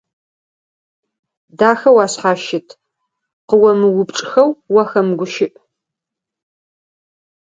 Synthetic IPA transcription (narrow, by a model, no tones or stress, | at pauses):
daːxɐwaːsħaːʃɪtʰ | qəwɐmɨwʊpʈ͡ʂʼxɐwːɐxɐmɡʷʊʃɪʔ